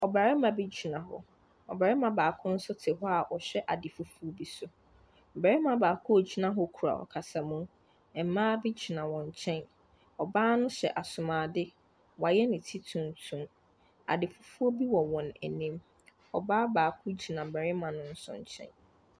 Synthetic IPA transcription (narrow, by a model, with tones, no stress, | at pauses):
ɔ˨ba˨ɾɪ˦mã˨bɪ˦d͡ʑi˨nã˨ɦʊ̰˨ | ɔ˨ba˨ɾɪ˦mã˨baː˨kʰʊ̃˦n̩˦sʊ˦tʰɪ˨ɦʊ˦a˨ʔɔ˨ɕɛ˦ʔa˨dɪ˨fu˦fu˦o˦bi˦sʊ˦ | m̩˨bɛ˨ɾɪ˦mã˨baː˨kʰʊ˦o˨d͡ʑi˦nã˦ɦʊ˦kʰu˨ɾa̰˨ɔ̰˨kʰa˨sa˨mũ˦ | ɛ˨m̩˨mãː˦bɪ˦d͡ʑi˨nã˨wɔ̃˨ɲ˨t͡ɕʰɛ̃˦n | ɔ˨baː˦nʊ̃˦ɕɛ˨ʔa˨sʊ˨mãː˨dɪ˦ | wa˨jɛ˦nɪ̃˨tʰi˦tʰũ˨n˨tʰũ˨m | a̰˨dɪ˨fu˦fu˦o˦bi˦wɔ̃˨wɔ̃˨nɛ̰˨nĩ˦m | ɔ̰˨baː˦baː˨kʰʊ˦d͡ʑi˨nã˨m̩˨bɛ˨ɾɪ˦mã˨nʊ̃˦n̩˦sʊ̰˨ɲ̩˨t͡ɕʰɛ̰̃˦n